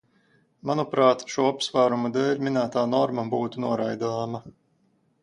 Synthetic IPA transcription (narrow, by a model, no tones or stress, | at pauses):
manupɾaːt̪ʃuːapsvaːɾumad̪ɛːlʲmʲinæːt̪aːnɔɾmabuːt̪unuɔɾajd̪aːma